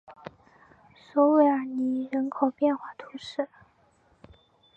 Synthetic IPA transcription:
swɔ˧˥we˧˩ɪə˞˧˥ni˧˥ɻə˧˥nkʰo˨˩ʊpjɛ˥˧nxwa˥˩t̪ʰu˧˥ʂɻ̩˥˩

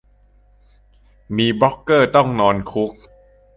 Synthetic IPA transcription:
miː˧bɔ˦˥kːɤː˥˩t̪ɔ˥˩ŋnɔː˧nkʰu˦˥k̚

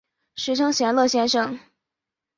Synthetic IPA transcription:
ʂɻ̩˧˥ʈ͡ʂʰɤ˥ŋɕjɛ˧˥nlɤ˥˩ɕjɛ˥nʂɤ˥˩ŋ

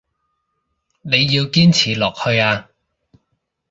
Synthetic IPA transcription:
ne˨˧jːiː˧wkiː˥nt͡sʰiː˨˩lɔː˨k̚hɵ˧ɥaː˧

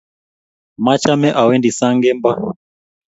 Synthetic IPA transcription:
ma˦t͡ʃa˦mɛ˦ʔa˨wɛ˦ndi˨sa˦ŋɡɛ˦mba˦

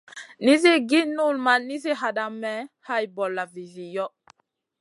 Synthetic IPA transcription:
ni˦zi˦ɡi˦nu˦˨lma˨ni˦zi˦ɦa˨da˨mːɛ˦ha˦jbɔ˨lːa˨vi˨zi˨jɔ˦

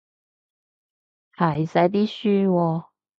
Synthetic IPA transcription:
hɐ˨˩jsɐ˨˧˥jt̪̬iː˥syː˥wɔː˧

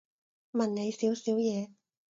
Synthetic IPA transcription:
mɐ˨nne˨˧jsiː˨˥wsiː˨˥wjɛː˨˧

